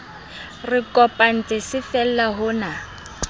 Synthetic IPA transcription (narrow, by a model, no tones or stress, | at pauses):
rɪkʼɔpʼan̩t͡sʼɪsɪfɛl̩laɦʊna